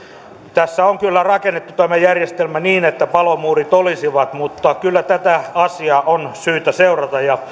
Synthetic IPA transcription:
t̪æsːæoŋkylːærɑkenːet̪ːut̪æmæjærjest̪elmæniːnet̪ːæpɑlomuːrit̪olisiʋɑt̪mut̪ːɑkylːæt̪æt̪æɑsiɑʔonsyːt̪æseurɑt̪ɑjjɑ

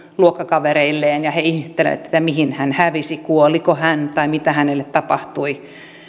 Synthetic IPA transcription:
luokːɑkɑʋereilːeːnjɑheihht̪ːelḛt̪ːe̥t̪ːæmihinhænhæʋisikuolikohænt̪ɑimit̪æhænelːet̪tɑpɑht̪ui

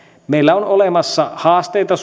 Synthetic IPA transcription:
meilːæonolemɑsːɑhɑːst̪ejt̪ɑs

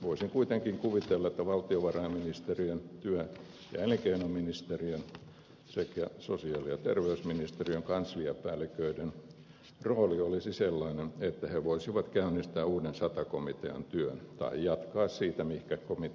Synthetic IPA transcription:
ʋoisiŋkuit̪eŋkiŋkuʋit̪elːɑet̪ːæʋɑlt̪ioʋɑrɑemminist̪eriønt̪yæ | jɑ̰eleŋkeinominist̪eriøn | sekæ̰sosiɑˑlijɑt̪erʋeysminist̪eriøŋkɑnsliæpæːlːˑikøiden | roːliolisiselːɑinenet̪ːæheʋoisiʋɑt̪kæynːist̪æːuːdensɑt̪ɑkomit̪eɑ̰nt̪yønt̪ɑ̰ijjɑt̪kɑːssiːt̪æmihkækomi

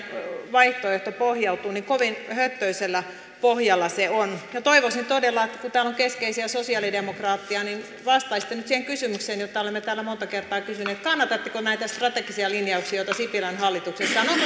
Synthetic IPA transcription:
ʋɑiht̪oeht̪opohjɑut̪uːnikoʋinhøt̪ːøiselːæ | pohjɑlːɑseonjɑt̪oiʋosint̪odelːɑet̪ːæ̥kut̪æːloŋkeskeisiæsosiɑlidemokrɑːt̪ːiɑnin | ʋɑst̪ɑisi̥t̪ːenyt̪siheŋkysymykseːnjot̪ːɑolemːet̪æːlːæmont̪ɑkert̪ɑːkysyneːt̪kɑnːɑt̪ɑt̪ːekonæit̪æst̪rɑt̪ekisiɑlinjɑuksijoit̪ɑsipilænhɑlːit̪uksesːɑːno

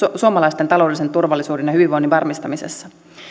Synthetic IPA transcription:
suomɑlɑjst̪et̪ɑlo̞dlisent̪urʋɑlːˑisuːdenjɑhyʋiʋo̞jniʋɑrmist̪ɑmisḛsːɑ

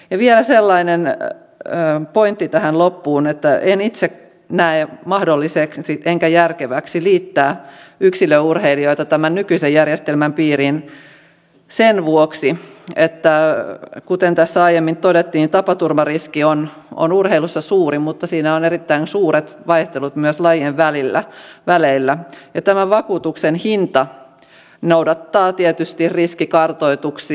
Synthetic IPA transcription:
jɑʋielæselːɑinenː | point̪ːit̪æhænlopːuːnet̪ːæʔenit̪sek | næemɑhdolːiseksiʔeŋkæjærkeʋæksiliːt̪ːæːyksiløurheilioit̪ɑt̪æmænnykyisejjærjest̪elmæmpiːrin | senʋuoksiet̪ːækut̪ent̪æsːæɑijemːint̪odet̪ːiːnit̪ɑpɑt̪urmɑriskion | o̰nurheilusːɑsuːrimut̪ːɑsiːnæoneɾit̪ːæinsuːret̪ʋɑiht̪elut̪myøslɑjeʋʋælilːæ̰ʋæleilːæjɑt̪æmæʋɑkuːt̪uksenhint̪ɑ | nowdɑt̪ːɑːt̪iet̪yst̪irriskikɑrt̪oit̪uks

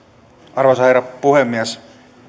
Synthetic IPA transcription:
ɑrʋosheɾɑpuhemːiæs

